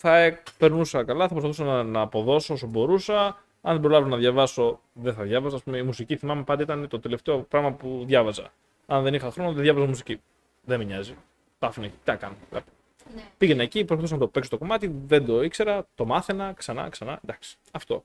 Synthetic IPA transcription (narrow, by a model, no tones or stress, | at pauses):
θɐepe̞ɾnusɐkɐlɐθɐpɾopɐθu̥sɐnnɐːpo̞ðo̞soos̬obo̞ɾusɐ | ɐnðebɾo̞lɐvnɐðʝɐvɐso̞ | ðeθɐðʝɐvɐzɐːspumeimusiciθimɐmepɐnd̪eit̪ɐnet̪o̞t̪e̞left̪e̞opɾɐɣmɐpuðʝɐvɐzɐ̰ | ɐnðe̞nixɐxɾo̞noðeðʝɐvɐzɐmusici | ðemiɲɐzi | t̪ɐfinecɐkɐnolɐ̰p | piʝeneːcipɾospɐθus̬ɐnɐt̪ope̞kso̞t̪oko̞mɐt̪iðe̞nd̪o̞ikse̞ɾɐt̪o̞mɐθenɐksɐnɐ̰ksɐnɐ̰end̪ɐksi̥ | ɐft̪o̞̰